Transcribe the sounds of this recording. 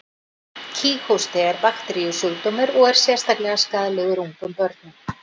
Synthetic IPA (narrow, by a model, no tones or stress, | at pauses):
cʰiːxowst̪ɛɛɾpaxt̪ɾijʏsjʏlt̪oːmɪɾɔɣɛɾ̥sjɛr̥st̪aklɛɣaskaːðalɪɣðɪɾuŋkʏmpœɾt̪̚nʏ